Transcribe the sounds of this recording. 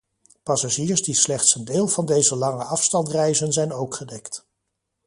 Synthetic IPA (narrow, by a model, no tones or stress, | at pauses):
pɑsaʒiːɹzdislɛχtsəndeːlˠvɑndejzəlɑŋəɑfstɑntrɛjzənzɛjnowkχədɛkt